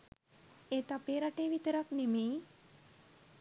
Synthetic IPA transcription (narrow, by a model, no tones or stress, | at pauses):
eːt̪apeːɾaʈeːʋit̪əɾaknemeː